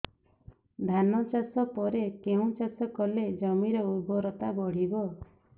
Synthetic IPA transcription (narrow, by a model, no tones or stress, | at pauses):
d̪ʱanɔt͡ʃasɔpɔɾekeũt͡ʃasɔkɔled͡ʒɔmiɾɔubɔɾɔt̪abɔɽ̤ibɔ